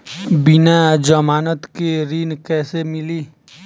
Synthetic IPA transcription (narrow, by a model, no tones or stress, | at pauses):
bɪnad͡ʒəmaːnət̪keɾiːnkɛːsemɪliː